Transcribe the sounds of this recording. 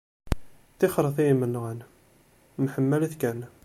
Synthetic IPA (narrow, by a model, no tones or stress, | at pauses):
θɪχəɾˤəθijimːənːʁən | mħəmːælæθkæn